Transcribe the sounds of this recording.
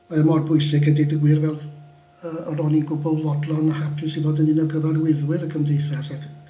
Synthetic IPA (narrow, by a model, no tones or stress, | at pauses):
aəmɔrbʊɨsɪɡɛdedəɡwɨrvɛlˠ | əəɾɔninɡʊbɔlˠvɔdlˠɔnəhapʰɪsiboːdəndɨnɔɡəvarwɪðwɪɾəkʰəmdejθɛsak